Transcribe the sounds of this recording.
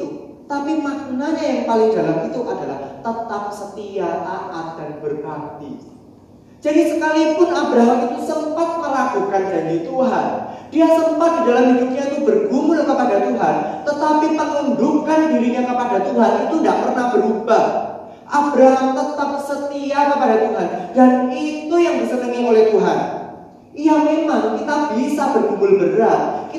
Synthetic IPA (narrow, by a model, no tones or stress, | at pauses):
it̪u | t̪apimak̚naɲajaŋpalɪŋdalamit̪uʔadala̰ht̪ət̪ap̚sət̪iaʔaʔad̥anbərbant̪ḭ | d͡ʒadisəkalipʊnʔabɾaɦamit̪usəmpat̪̚məlakukand͡ʒanat̪uɦa̰nd̥iasəmpat̪̚didalamidukɲait̪ubərɡumʊlkəpadat̪uɦant̪ət̪apipəŋundukandiɾiɲakəpadat̪uɦanit̪undaʔpərnahbəɾubah | ʔabɾaɦamt̪ət̪ap̚sət̪iakəpadat̪uɦandanit̪ujaŋdisənəŋiŋolɛht̪uɦa̰n | ijamemaŋkit̪ab̥isabərɡumʊlbəɾat̪̚ki